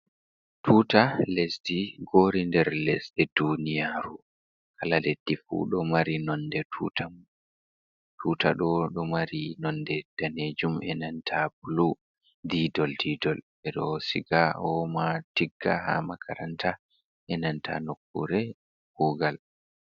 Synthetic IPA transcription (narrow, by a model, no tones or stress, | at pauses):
tʰuːtalesdiɡoːɾindɛɾlɛsdɛdunijaɾu | kʰalaled̥ːifṵɗɔmaɾinɔndɛtʰutam | tʰutaɗɔɗɔmaɾinɔndɛd̥aned͡ʒumɛ̰nantʰabulu | didɔldiːdɔl | ɛɗɔsiɡaɔmatiɡːaha̰makʰaɾantʰa | ʔɛnantʰa̰nokːuɾɛ | huɡal